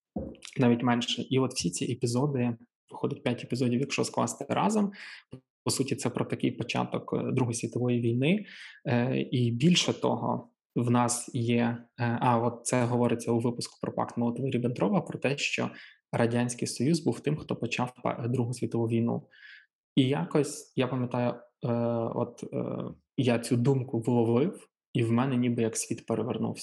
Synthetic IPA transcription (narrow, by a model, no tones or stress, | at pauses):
nɑʋʲitʲmɛnʃɛʔiɔt̪w̥sʲit͡sʲiʔepʲizɔd̪ɪ | ʋɪxɔd̪ʲɛt̚ʲpʲjatʲepʲizɔdʲiwjɐkʃɔsklˠɑ̰st̪ɛɾɑ̰zɔm | pɔsutʲit̪sɛpɾɔt̪ɐkɪjpɔt͡ʃɑ̰t̪ɔkd̪ɾuɦɔjisʲʋʲit̪ɔʋɔjiʋʲijnɪ | ibʲilʲʃɛt̪ɔ̰ɦɔ̰ | wnɑsjɛɑɔt̪̚t̪sɛɦɔʋɔɾɪt͡sʲːɐuʋɪpʊskʊ̥pɾɔpɑ̰kt̪mɔlˠt̪ʋɛɾʲibend̪ɾʔɔʋɐpɾɔt̪ɛʃt͡ʃɔ̰ | ɾɐdʲanʲsʲkɪjsɔjuzbuwt̪ɪmxt̪ɔpɔt͡ʃɑwpd̪ɾuɦʊsʲʋʲit̪ɔʋuʋʲijnṵ | ijakɔsʲjapɐmʲjɐt̪ɑjʊ | ɔ̰t̪ | jat͡sʲud̪umkʊʋlˠɔʋɪw | iwmɛnɛnʲibɪjɐksʲʋʲit̪peɾeʋernṵwsʲɐ̥